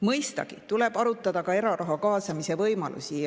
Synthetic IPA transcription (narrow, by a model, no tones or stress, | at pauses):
mɤjst̪ɑ̰ɡ̥it̪ule̞b̥ɑɾut̪ːˑɑd̪̥ɑkɑe̞ɾɑɾʔɑɦɑkɑːsɑmise̞vɤjmɑ̰lʔṵsi